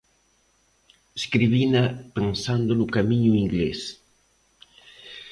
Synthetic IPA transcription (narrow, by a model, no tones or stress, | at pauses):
eskɾiβinapensand̪onukamiɲuiŋɡles